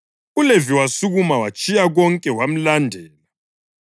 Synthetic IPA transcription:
uleviwasuɣumawat͡ʃʼijaɣɔŋkʼɛwam̩landʱɛːla

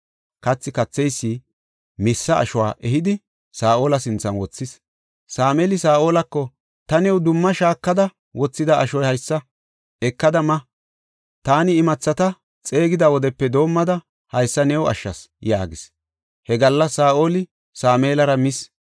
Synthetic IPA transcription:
kɐt͡sːɪkɐt͡sːɛjsːi | mɪsːɐ̰ːʃɔwa̰ːʔɛɦɪd̪ɪ | saːʔo̞ːlɐsɪnt͡sːɐnwɔt͡sːɪs | saːmeːlɪsaːʔoːlɐkːɔ | t̪ɐnɛwd̪ʊmːɐʃaːkːɐd̪ɐ | wɔt͡sːɪd̪ɐːʃɔjhɐjsːɐ | ɛkːɐd̪ɐmɐ | t̪aːnɪːmɐt͡sːɐt̪ɐ | t͡sʼe̞ːɡɪd̪ɐwɔd̪ɛpːɛd̪o̞ːmːɐd̪ɐ | hɐjsːɐnɛwɐ̰ʃːɐ̰s | ja̰ːɡɪs | hɛɡɐlːɐsaːʔo̞ːlɪ | saːmeːlɐɾɐmɪs

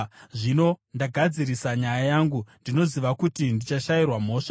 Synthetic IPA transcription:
ʐino̞ndaɡʱad͡zirisaɲajajaːŋɡundino̞ziʋakutindit͡ʃaʃajirwam̤o̞ːʂa

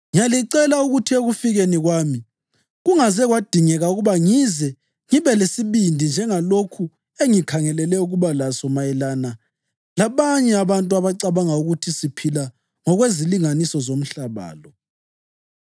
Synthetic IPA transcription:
ŋijaliǀɛlauɣutʰieɣufiɣeniɣwaːmi | ɣuŋazɛɣwad̥ʱiŋɛɣauɣuβaŋizɛ | ŋiβɛlesiβindʱind͡ʒʱɛŋalokʰu | eŋikʰaŋɛlɛlɛuɣuβalasɔmajɛlana | laβaɲɛaβantʼuaβaǀaβaŋauɣutʰisipʰila | ŋɔɣweziliŋanisɔzom̩ɬaβa̰ːlɔ

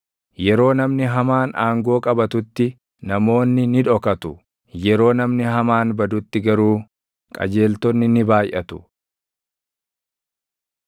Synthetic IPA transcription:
jɛɾo̞ːnɐmnɪɦɐmaːnʔaːŋɡo̞ːkʼɐbɐt̪ʊt̪ːɪ | nɐmo̞ːnːɪnɪᶑ̪ɔkɐt̪ʊ | jɛɾo̞ːnɐmnɪɦɐmaːnbɐd̪ʊt̪ːɪɡɐɾuː | kʼɐ̰d͡ʒe̞ːlt̪ɔnːɪnɪbaːjʔɐt̪ʊ̥

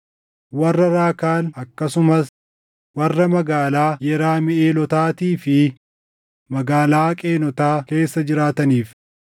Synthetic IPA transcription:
wɐrːɐɾaːkaːlɐkːɐsʊmɐs | wɐrːɐmɐɡaːlaːjɛɾaːmɪeːlɔt̪aːt̪iːfɪ | mɐɡaːlaːkʼeːnɔt̪aːke̞ːsːɐd͡ʒɪɾaːt̪ɐniːf

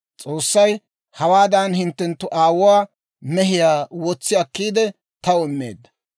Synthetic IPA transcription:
t͡sʼo̞ːsːɐj | hɐwaːd̪ɐnhɪnt̪ːɛnt̪ːʊʔaːwʊwaː | mɛɦɪjaːwɔt͡sːɪɐkːiːd̪ɛ | t̪ɐɔmːḛːd̪ːɐ

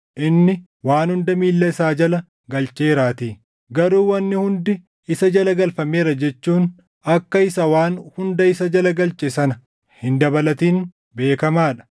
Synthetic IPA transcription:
ʔɪnːɪ | waːnhʊnd̪ɐmiːlːɐɪsaːd͡ʒɐlɐ | ɡɐlt͡ʃʼeːɾaːt̪iː | ɡɐɾuːwɐnːɪhʊnd̪ɪ | ɪsɐd͡ʒɐlɐɡɐlfɐmeːɾɐd͡ʒɛt͡ʃːuːn | ɐkːɐɪsɐwaːnhʊnd̪ɐɪsɐd͡ʒɐlɐɡɐlt͡ʃʼɪsɐnɐ | hɪnd̪ɐbɐlɐt̪iːn | be̞ːkɐmaːᶑɐ̥

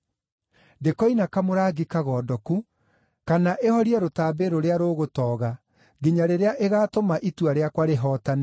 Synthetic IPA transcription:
ndekɔinakamoɾaːɡikaɣɔːdɔku | kanaʔehɔɾiɛɾotaːbeɾoɾeaɾoːɣotɔːɣa | ɡeɲaɾeɾeaʔeɣaːtomaʔituaɾeakwaɾeɦɔːtane

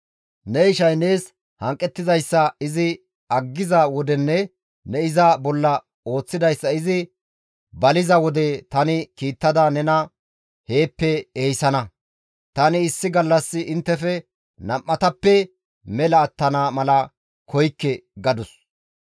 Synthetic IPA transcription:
nɛɪʃɐjne̞ːs | hɐŋkʼːɛt̪ːɪzɐjsːɐɪzɪ | ɐɡːɪzɐwɔd̪ɛnːɛ | nɛɪzɐbɔlːɐ | o̞ːt͡sːɪd̪ɐjsːɐɪzɪ | bɐlɪzɐwɔd̪ɛt̪ɐnɪkiːt̪ːɐd̪ɐnɛnɐ | he̞ːpːɛeːjsɐnɐ | t̪ɐnɪːsːɪɡɐlːɐsːɪʔɪnt̪ːɛfɛ | nɐmːɐt̪ɐpːɛ | mɛlɐːt̪ːɐnaːmɐlɐ | kʰɔjkːɛɡɐd̪ʊs

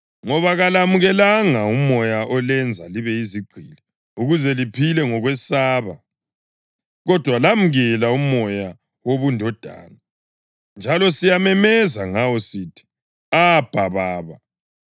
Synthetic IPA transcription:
ŋɔβaɣalamuɣɛlaŋaumɔjaʔɔlɛnd͡zʱaliβɛiziɡ͡ǀʱilɛ | uɣuzɛlipʰilɛŋɔɣwɛsaːβa | ɣɔd̥ʱwalamuɣɛlaumɔja | woβundʱɔd̥ʱa̰ːna | nd͡ʒʱalɔsijamɛmɛzaŋawɔsitʰi̥ | ab̥ʱaβaːβa

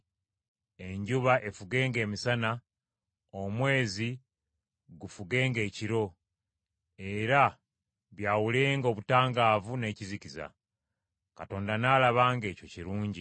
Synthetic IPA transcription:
e̞ɲɟuβaʔe̞fuɡe̞ːŋɡe̞ːmisana | omwe̞ːzi | ɡufuɡe̞ːŋɡe̞ːciɾo̞ | e̞ɾa | βjaːwule̞ːŋɡo̞ːβutaːŋɡaːvune̞ːciziciza̰ | kato̞ːndanaːlaβaːŋɡe̞ːco̞ciɾuːɲɟi

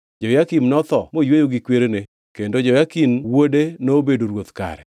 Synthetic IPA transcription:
d͡ʒɔjakimnɔt̪ɔmojwejoɡikweɾene | kendod͡ʒɔjakimwodenobedoɾwot̪ka̰ɾɛ̰

